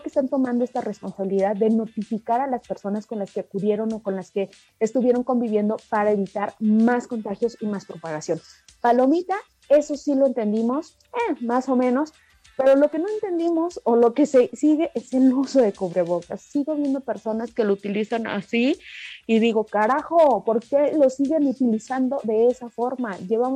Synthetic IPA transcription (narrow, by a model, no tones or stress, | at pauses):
kest̪ant̪o̞mãnd̪oe̞st̪are̞spo̞nsaβiliðaðːe̞no̞t̪ifikaɾalaspe̞ɾso̞nasko̞nlaske̞kuðje̞ɾo̞no̞ko̞nlaske̞ː | st̪uβje̞ɾo̞ŋko̞mbiβje̞nd̪o̞paɾaeβit̪aɾmaskont̪axjo̞simaspɾo̞paɣasjo̞n | palo̞mit̪a | e̞so̞silo̞e̞nt̪e̞nd̪imo̞s | emaso̞mẽ̞no̞s | pe̞ɾo̞lo̞ke̞no̞e̞nt̪e̞nd̪imo̞so̞lo̞ke̞sesiɣe̞ʔese̞luso̞ðe̞koβɾe̞βo̞kasːiɣo̞β̞je̞nd̪ope̞ɾso̞naske̞lout̪ilisana̰siiðiɣo̞kaɾaxopo̞ɾke̞lo̞siɣe̞nut̪ilisand̪o̞ðe̞esafo̞ɾmaʝe̞βam